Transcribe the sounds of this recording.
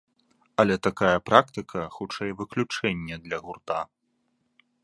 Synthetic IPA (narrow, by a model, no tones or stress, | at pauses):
ɐlʲɛt̪akajɐpɾakt̪ɨkʰɐxut͡ʂɛjvɨklʲut͡ʂɛnʲːɛd̪lʲɐɣurt̪a